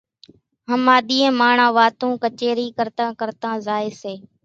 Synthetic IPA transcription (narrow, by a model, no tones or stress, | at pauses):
ɦəmaːɗ̪iːẽːmaːɳãːʋaːt̪ũːkət͡ʃeːɾiːkəɾt̪ãːkəɾt̪ãːzaːeːseː